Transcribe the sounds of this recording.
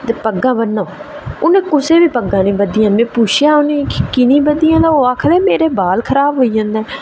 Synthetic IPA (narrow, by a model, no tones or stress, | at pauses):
t̪eːpəɡːãːbənːaː | ʊnẽːkʊseːbiːpəɡːãːnẽːbəd̪ɪjãːmɛ̃ːpuːt͡ʃʰjaːʊneːkɪnĩːbəd̪ɪjãːd̪aːoːaːkʰleːmeːɾeːbaːlkʰəɾaːbɦoːiːd͡ʒãːnd̪ɛː